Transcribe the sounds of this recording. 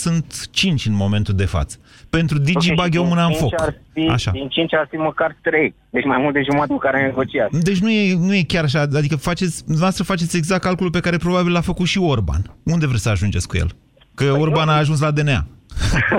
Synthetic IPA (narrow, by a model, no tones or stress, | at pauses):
sunt̪t͡ʃint͡ʃʲɨnmo̞me̞nt̪uld̪e̞fa̰t̪sə̥pe̞nt̪ɾud̪id͡ʒibaɡʲomɨnaɨnfo̞kfia̰ʃa̰d̪int͡ʃint͡ʃʲarfiməkart̪ɾejd̪et͡ʃʲmajmult̪eʒumat̪eəkaɾeneɡo̞t͡ʃiat̪d̪e̞t͡ʃʲnuje̞nuje̞kʲaɾaʃ̬aad̪ikəfat͡ʃe̞t̪sʲd̪unɐvast̪ɾəfat͡ʃe̞t̪sʲe̞ɡzakkːalkolupe̞kaɾe̞pɾo̞babilafəkut̪ʃio̞rba̰nund̪e̞vɾesʲəaʒund͡ʒe̞tskujḛl | kəorbanaːʒuns̬lad̪e̞nea̰